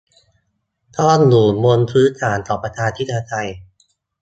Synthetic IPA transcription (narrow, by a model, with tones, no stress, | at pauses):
t̪ʰɔː˥˩nluː˩mo˧npʰɯː˦˥t̪ʰaː˩˦nt̪ɔː˨˩pɾa˧t̪ʰaː˧t̪ʰi˦˥˩t̪ʰːa˧t̪ʰa˧j